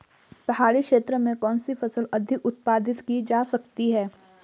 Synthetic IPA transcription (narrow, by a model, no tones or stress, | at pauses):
pɐɦaːɽikʃeːt̪ɾəmẽkɔːnsifʰɐsəlɐd̪ʱɪkʊt̪̚paːd̪ɪt̪kid͡ʒaːsɐk̚t̪iɦɛː